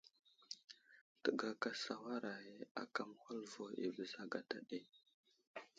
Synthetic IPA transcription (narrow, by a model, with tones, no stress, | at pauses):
tə˨ɡa˨ka˨sa˨wa˦ɾa˨je˦a̰˨ka˦m˨hu˦lvo˨ḭ˨və˨za˦ɡa˨ta˨ɗe˦